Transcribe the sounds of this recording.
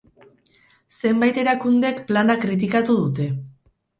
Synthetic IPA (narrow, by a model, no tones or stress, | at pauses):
se̞mbajt̪e̞ɾakund̪e̞kplanakɾit̪̬ikat̪uðut̪e̞